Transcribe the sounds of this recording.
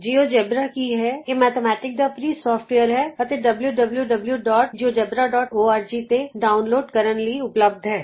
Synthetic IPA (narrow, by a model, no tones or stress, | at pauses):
d͡ʒiːoːd͡ʒɛbɾakiɦɛemɛːt̪ʰemɛːʈɪk̚d̪apɾisɔːfʈweːəɾɦɛːɐt̪eɖɐbljuɖəbljuɖəbljuɖɔːʈ̚d͡ʒiod͡ʒɛbɾaɖɔːʈoːaːɾd͡ʒit̪eɖaːʊnloːɖkəɾənliʊpləb̚d̪ʱɦɛː